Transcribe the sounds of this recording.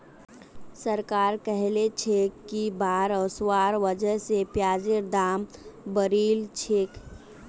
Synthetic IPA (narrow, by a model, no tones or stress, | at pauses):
səɾkaɾkəɦlet͡ʃʰekːibaɾɔswaɾʋəd͡ʒəɦsepjaːd͡ʒeɾd̪aːmbəɾiːlt͡ʃʰek